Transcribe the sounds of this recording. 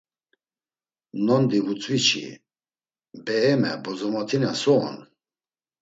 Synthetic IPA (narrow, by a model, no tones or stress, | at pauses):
nɔnd̪ivut͡sʼvit͡ʃʰḭ | bɛɛmɛ̰bɔzɔmɔt̪ʰinasɔːn